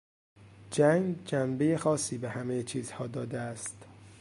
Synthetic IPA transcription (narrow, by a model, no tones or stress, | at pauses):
d͡ʒæŋɡd͡ʒæmbe̞jexɒːsːiːbehæmejet͡ʃʰiːz̥hɒːd̪ɒːd̪eæst̪